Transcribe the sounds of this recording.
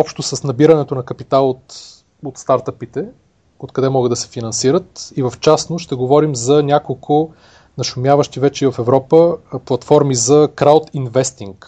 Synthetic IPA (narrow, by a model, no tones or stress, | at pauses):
ɔpʃt̪osəsnɐbiɾɐnɛt̪onɐkɐpit̪alˠot̪ | ot̪st̪aɾt̪əpit̪ɛ | ot̪kɐd̪ɛmɔɡəd̪ɐsɛ̥finɐnsiɾət̪ivəft͡ʃasnoʃt̪ɛɡovɔɾimzɐnʲakolˠkʰʊ | nɐʃʊmjavəʃt̪ivɛt͡ʃɛivɐfɛvɾɔpəplˠɐt̪fɔɾmizɐkɾawt̪invɛst̪iŋk